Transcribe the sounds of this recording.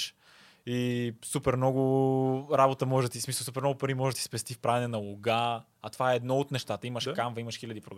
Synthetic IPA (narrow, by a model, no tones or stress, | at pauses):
ʃ | isupɛɾmnɔɡʊɾabot̪əmɔʒt̪ismislˠsup̬ɛɾmnɔɡʊpɐɾimɔʒt̪i̥spɛst̪ifpɾavɛnɛnɐlˠoɡa | ɐt̪ovaɛɛd̪nɔot̪nɛʃt̪at̪əiməʃkamvɐiməʃxilʲɐd̪ipɾoɡ